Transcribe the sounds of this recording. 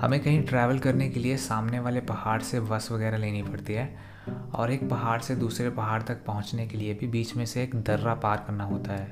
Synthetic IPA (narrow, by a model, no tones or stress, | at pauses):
hɐ̰mẽkɐɦĩʈɾɛːʋəlkɐɾnekeliesaːmneʋaːlepɐhaːɾseʋɐsʋɐɣɛːɾaleːnipɐɽt̪iɦɛː | ɔ̰ːɾeːk̚pɐɦaːɾsed̪uːsɾepɐɦaːɽt̪ɐk̚pɐɦʊ̃t͡ʃnekeliebʱibiːt͡ʃmẽseːkd̪ʱɐɾːapaːɾkɐɾnaɦoːt̪aɦɛː